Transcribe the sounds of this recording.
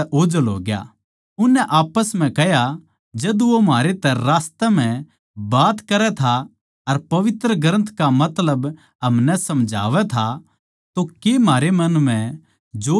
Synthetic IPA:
ʔoːd͡ʒəlɦo̰ːɡja̰ | ʊnːɛʔaːpəsm̤ɛ̃kɛɦja | d͡ʒɐd̪ʋomaːɾet̪ɛ̃ɾaːst̪əm̤ɛ̃ | baːt̪kɐɾɛt̪ʰa | ɐɾpɐʋɪt̪ɾəɡɾə̃nt̪ʰkamɐt̪ləb | ɦɐmnɛsɐmd͡ʒʱa̰ːʋɛt̪ʰa | t̪okemaːɾemɐnm̤ɛ̃ | d͡ʒo

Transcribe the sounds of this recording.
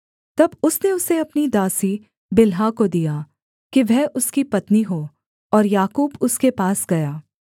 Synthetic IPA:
t̪ɐbʊsneʊseɐpnid̪aːsi | bɪlɦakod̪ijaː | kiʋɛɦʊskipɐt̪niɦoː | ɔːɾjaːkuːbʊskepaːsɡɐjaː

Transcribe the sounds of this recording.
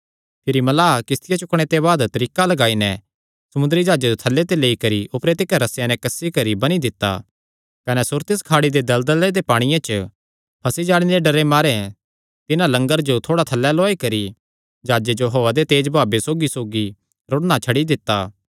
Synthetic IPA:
pʰɪɾimɐlaːkɪst̪ʰɪjat͡ʃʊkɽ̃et̪eβaːd̪t̪ɐɾiːkalɐɡaːinɛ | sɐmʊ̃nd̪əɾid͡ʒaːd͡ʒed͡ʒot̪ʰɐlːet̪eleːikɐɾiʔʊpɾeːt̪ɪkaɾɐsjãnɛkɐsːikɐɾibɐñid̪ɪt̪ːa̰ː | kɐnɛsʊɾt̪ɪskʰaːɽid̪ed̪ɐld̪əled̪epaːɽ̃ɪjãt͡ʃə | pʰɐsid͡ʒaːɽ̃inɾeɖɐɾemaːɾe | t̪ɪnãlɐ̃ŋɡəɾd͡ʒot̪ʰoːɽat̪ʰɐlːɛlɔːikɐɾi | d͡ʒaːd͡ʒed͡ʒoɦoːad̪et̪eːd͡ʒbʱaːbesoːɡisoːɡi | ɾʊɽɽ̃at͡ʃʰɐɽid̪ɪt̪ːaː

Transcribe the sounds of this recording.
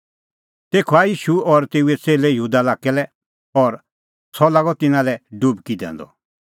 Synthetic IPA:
t̪eːkʰɔajiːʃuɔɾt̪eːuɛt͡seːlejɦuːd̪alaːkɛlɛ | ɔɾ | sʰɔlaːɡɔt̪ɪnãlɛɖubkid̪ɛ̰̃ːnd̪ɔ̰

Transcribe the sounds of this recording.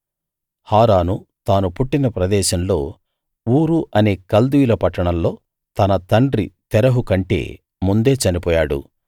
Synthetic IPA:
haːɾaːnut̪aːnupuʈːinɐpɾɐd̪ɛːʃɐmlo̞̰ː | uːɾuʔɐne̞ːkɐld̪ujulɐpɐʈːɐɳɐmlo̞ː | t̪ɐnɐt̪ɐɳɖɾḭt̪ɛɾɐɦukɐɳʈe̞̰ː | mund̪e̞ːt͡ʃɐnipɔːjaːɽṵ

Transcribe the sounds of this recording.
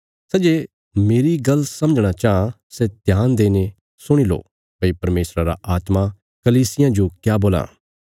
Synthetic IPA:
sɛd͡ʒe | meːɾiɡɐlsɐ̃məd͡ʒɽ̃at͡ʃaːã | sɛt̪jaːnd̪eːne | sʊɽ̃ilo̰ː | pɐipɐɾmeːsɾaɾa̰ʔaːt̪ma | kɐliːsɪjãd͡ʒokjaːboːla̰ː

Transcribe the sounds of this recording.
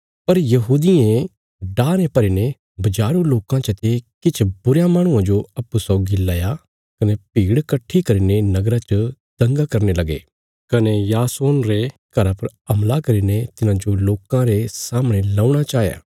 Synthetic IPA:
pɐɾjɐɦuːd̪ɪẽ | ɖaːɾẽpɐɾine | bɐd͡ʒaːɾuloːkãt͡ʃɐt̪ekɪt͡ʃʰbʊɾjamaːɽ̃ʊ̃ãd͡ʒoɐpːusɔɡilːaːja | kɐnepiːɽkɐʈʰːikɐɾinenɐɡɾat͡ʃə | d̪̥ɐ̃ŋɡakɐɾnelɐɡḛː | kɐnejaːsoːnɾekɐɾapɐɾɐmlakɐɾinet̪ɪnãd͡ʒoloːkãɾesaːmɽ̃elaːuɽ̃at͡ʃaːɦja̰ː

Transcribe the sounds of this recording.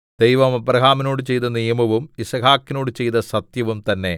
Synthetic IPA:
d̪̥ejʋɐmɐprɐɡʱaːminoːɽɨt͡ɕe̞jt̪ɐnijɐmɐʋumisɐɡaːkːinoːɽɨt͡ɕe̞jt̪ɐsɐt̪jɐʋumt̪ɐnːe̞

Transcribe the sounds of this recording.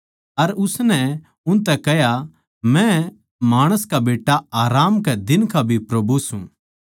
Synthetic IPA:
ɐɾʊsnɛ | ʊ̃nt̪ɛkɛɦja | mɛ̃ | maːɽ̃əskabeːʈːaaːɾaːmkɛd̪ɪnkabʱipɾɐbʱusṵ̃

